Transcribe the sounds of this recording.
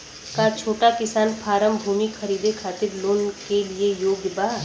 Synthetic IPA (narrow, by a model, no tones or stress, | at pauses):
kat͡ʃʰoːʈakɪsaːnpʰaːɾəmbʱuːmixʰɐɾiːd̪ekʰaːt̪ɪɾloːnkeliejoːɡbaː